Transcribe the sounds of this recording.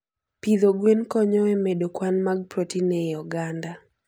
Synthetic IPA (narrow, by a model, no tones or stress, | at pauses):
pid̪oɡwenkɔɲɔemedokwanmaɡ̚pɾotinɛjɔɡanda